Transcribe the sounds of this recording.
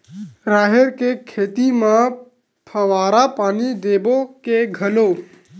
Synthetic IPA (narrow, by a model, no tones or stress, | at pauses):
ɾaːɦeɾkekʰeːt̪imã | pʰəʋaːɾapaːnid̪eːbokeɡʱəlo